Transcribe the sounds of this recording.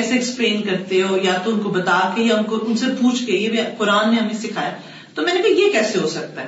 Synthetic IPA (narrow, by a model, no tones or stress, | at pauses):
ɛseɛkspleːnkɐɾt̪eɦoːjat̪oʊnkobɐt̪aːkejeɦɐmkoʔʊnsepuːt͡ʃʰɡejebʱiqʊɾaːnːẽɦɐmẽsɪkʰaːjaː | t̪omɛːnebʱijekɛːseɦosɐk̚t̪aɦɛ